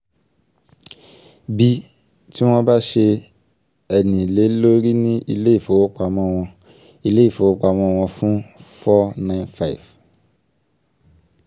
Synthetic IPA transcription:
bi˧ | ti˦w̃ɔ̃˧ba˦ʃe˧ | ɛ˨nĩ˨le˨˦lo˦ɾi˦nĩ˦ʔi˧le˦i˦˨fo˨˦wo˦k͡pa˧mɔ̃˦w̃ɔ̃˧ | i˧le˦i˦˨fo˨˦o˦k͡pa˧˨mɔ̃˦˧w̃ɔ̃˧fũ˦fɔ˦nã˦˨nfa̰˦˨f

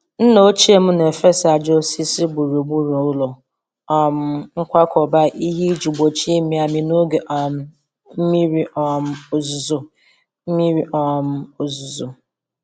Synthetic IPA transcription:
n̩˦no˦t͡ʃi˦e˦m̩˦n˨e˨fe˦sa˨d͡ʒo˦si˦si˦ɡ͡bu˨ɾu˨ɡ͡bu˦ɾu˨o˦lo˨ | ɔ˨m̩˦ŋ̩˦kʷa˦kʰɔ˨ba˦ʔi˦ɦi˦d͡ʒu˨ɡ͡bo˨t͡ʃi˦e˦mi˦a˨mi˨no˦ɡe˨ʔɔ˨˦ | m̩˦mi˦ɾi˦ʔɔ˨m̩˦˨zu˨zʊ˨˦ | mi˦ɾi˦ʔɔ˦m̩˦o˨zu˨zu˨

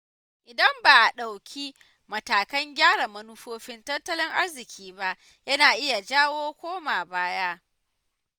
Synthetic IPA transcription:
ʔɪ˨dɐ˦mbaː˨ʔa˨ɗa˨wkʲʰi˦ | mɐ˨taː˨kɐ˦ŋɡʲaː˦ɽa˨mɐ˦nʊ˦ɸoː˦ɸɪ˦ntɐ˦tːɐ˦lɪ˦ŋʔa˦ɽzɪ˨kʲiː˦ba˦ʔ | jɐ˦naː˨ʔɪ˦ja˨d͡ʒaː˦woː˦kʷoː˦maː˨baː˦ja˦ʔ

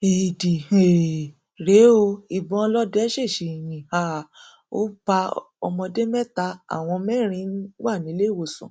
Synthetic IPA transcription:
i˨di˨e˨ | ɾe˨˦o˧i˨bɔ̃˧lɔ˦dɛ˦ʃe˦˨ʃi˨jĩ˨ha˨ | o̰˦b̥a˧ | ɔ̰˧mɔ̃˧de˦mɛ˦ta˧a̰˦˨w̃ɔ̃˧mɛ̃˦ɾ̃ĩ˧˦n̩˦wa˦˨nĩ˨˦le˦˨wo˦˨sṵ̃˨

